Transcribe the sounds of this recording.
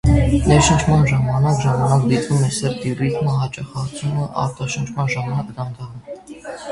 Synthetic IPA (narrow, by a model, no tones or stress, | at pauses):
nɛɾʃənt͡ʃʰmɑnʒɑmɑnɑkʒɑmɑnɑkd̪it̪vumɛsɛɾt̪irizməɦɑt͡ʃɑχɑt͡sʰunəʔɑ̰ɾt̪ɑʃənt͡ʃʰmɑnʒɑmɑnɑkd̪ɑnd̪ɑʁə